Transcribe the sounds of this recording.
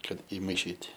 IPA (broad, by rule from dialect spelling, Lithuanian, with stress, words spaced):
ˈkɐt ɪmɐɪˈʃʲiːtʲ